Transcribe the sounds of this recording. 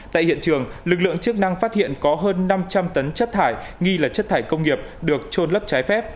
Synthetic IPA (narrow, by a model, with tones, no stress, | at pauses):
t̪a̰ː˧˨jhḭ˧˨ənt͡ɕɨ˨˩əŋlɨ˨˩k̚lɨ̰˧˨əŋt͡ɕɨ˦˥ək̚na˧ŋfaː˦˥t̚hḭ˧˨ənkɔ˨˦ɦəː˧nːa˧mt͡ɕa˧mt̪ə˨˦nt͡ɕə˦˥t̚t̪ʰaː˧˩jŋi˧laː˨˩t͡ɕə˦˥t̚t̪ʰaː˧˩jkə˧wŋ͡mŋi˨˩əp̚ɗɨ˨˩ək̚t͡ɕo˧nlə˦˥p̚t͡ɕaː˨˦jfɛ˦˥p̚